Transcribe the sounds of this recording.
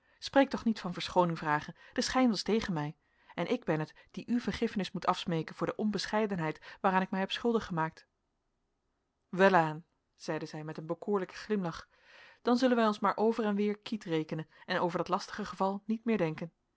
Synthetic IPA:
spreːjk̚tɔχnitfɑnvəɹsχownɪŋvraːχənd̥əsχɛjnʋɑstejχənmɛj | ɛnʔɪɡ̚bɛnətd̥iʔyvəɹχɪfənɪsmutʰɑfsmejkənvʊːɹdəʔɔnbəsχɛjdənɦɛjtʋaːɾaːnɪk̚mɛjɦɛpsχɵlˠdəχəmaːk̚t | ʋɛlaːn | z̥ɛjdəzɛjmɛtənbəkʊːɹləkə̥χlɪmlɑχ | d̥ɑnzɵlənʋɛjɔnsmaːɹʔowvərɛnʋɪːɹkitrejkənənɛnowvəɹdɑtlɑstəχəχəvɑlˠnitmɪːɹdɛŋkən

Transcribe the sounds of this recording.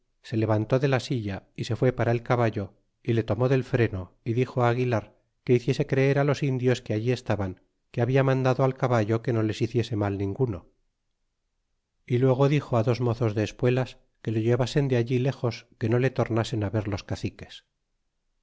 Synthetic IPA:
se̞le̞βant̪o̞ðe̞lasiʝaise̞fwe̞paɾae̞lkaβaʝo̞ | ile̞t̪o̞mo̞ðe̞lfɾe̞no̞ | iðixoaːɣ̞ilaɾ | ke̞iθje̞se̞kɾe̞eɾalo̞sind̪jo̞skeaʝie̞st̪aβaŋ | keaβiamãnd̪aðoalkaβaʝo̞ke̞no̞le̞siθje̞se̞malnĩŋɡuno̞̰ | ilwe̞ɣ̞o̞ðixo̞aðo̞zmoθo̞zðeːspwe̞las | ke̞loʝe̞βase̞nd̪eaʎile̞xo̞ske̞no̞le̞t̪o̞ɾnase̞naβe̞ɾlo̞skaθike̞s

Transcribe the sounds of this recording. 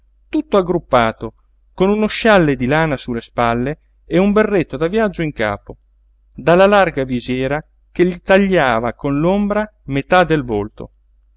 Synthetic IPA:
t̪ut̪ːoaɡːɾupːaːt̪o | konunoʃalːed̪ilaːnasulːespalːe | eumberːet̪ːod̪avjad͡ʒːoiŋka̰ːpo | d̪alːalarɡavizjɛːɾa | keʎːit̪aʎːaːvakonlombɾa | met̪ad̪elvolt̪o̰

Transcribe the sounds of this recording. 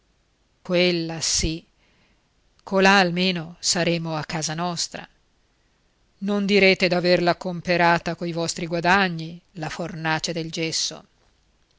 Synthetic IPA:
kwelːasi | kʰːolaːlmeːnosaɾeːmoakːaːzanɔst̪ɾa̰ | nond̪iɾeːt̪ed̪averlakompeɾaːt̪akoivɔst̪ɾiɡwad̪aɲːilafornaːt͡ʃed̪eld͡ʒɛsːo̰

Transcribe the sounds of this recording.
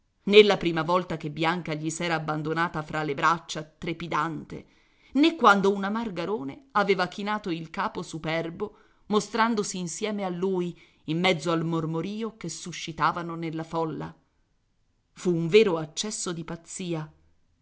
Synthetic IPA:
nelːapɾiːmavɔlt̪akebːjaŋkaʎisɛːɾaːbːand̪onaːt̪afɾʔalːebɾat͡ʃːat̪ɾepid̪ant̪ḛ | nekːwand̪ounamarɡaɾoːneaveːvakinaːt̪oilkaːposupɛrbo | most̪ɾand̪osiːnsjɛːmealːuːj | imːɛd̪zːoalmormoɾiːokesːuʃːit̪aːvanonelːafɔlːa̰ | fuːɱvɛːɾoat͡ʃːɛsːod̪ipat̪sːiːa

